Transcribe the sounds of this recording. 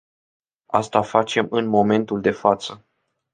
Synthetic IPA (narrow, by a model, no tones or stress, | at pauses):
a̰st̪afat͡ʃe̞mɨnmo̞me̞nt̪uld̪e̞fat̪sə